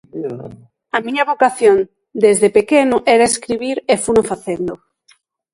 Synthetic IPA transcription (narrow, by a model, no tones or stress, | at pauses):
amĩɲaβokaθjon | d̪ezðepekenʊʔɛɾaeskɾiβiɾefunofaθend̪o